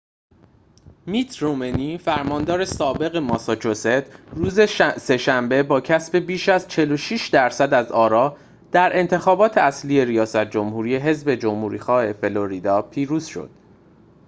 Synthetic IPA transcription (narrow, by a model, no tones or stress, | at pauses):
miːt̪ʰɾomeniːfæɾmɒːnd̪ɒːɾe̞sɒːbe̞ɣe̞mɒsɒt͡ʃʰose̞t̪ʰɾuːzese̞ʃæmbe̞bɒːcʰæsbe̞biːʃæzt͡ʃʰe̞lo̞ʃiʃd̪æɾsæd̪æzɒːɾɒː | d̪̥æɾʔe̞nt̪ʰe̞xɒːbɒːt̪ʰeæslije̞ɾijɒːsæt̪̚ʰd͡ʒo̞mhuːɾiːe̞ɦe̞zbe̞d͡ʒomhuːɾḭːxɒːhe̞fe̞lo̞ɾid̪ɒːpʰiːɾuːz̥ʃo̞̰d̪̥